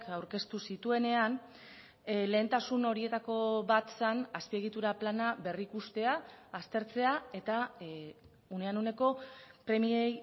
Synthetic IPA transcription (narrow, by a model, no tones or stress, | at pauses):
kawɾke̞st̪usit̪ue̞ne̞an | le̞ːnt̪asuno̞ɾie̞t̪ako̞βat̪sanaspie̞ɣ̞it̪uɾaplanaβe̞rikust̪e̞aːst̪e̞ɾt͡se̞ae̞t̪a | uneanune̞ko̞pɾe̞miej